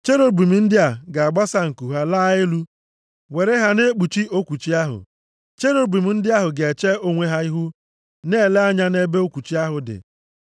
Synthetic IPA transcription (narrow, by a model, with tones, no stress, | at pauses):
t͡ʃe˦ɾo˦bi˨mi˨n̩˦dɪ˦a˨ɡa˨a˨ɡ͡ba˦sa˦ŋ̩˨ku˨ɦa˦la˦ɪ˦lu˦ | we˨ɾe˦ɦa˦ne˦k͡pu˨t͡ʃi˦o˦kʷu˨t͡ʃi˦a˦ɦʊ̰˨ | t͡ʃe˦ɾo˦bi˨m̩˦n̩˦dɪ˦a˦ɦʊ˨ɡe˨e˨t͡ʃe˦o˦ŋʷe˦ɦa˦i˦ɦu˦ | ne˦˨le˦a˦ɲa˦ne˦be˦o˦kʷu˨t͡ʃi˦a˦ɦʊ˨dɪ̰˨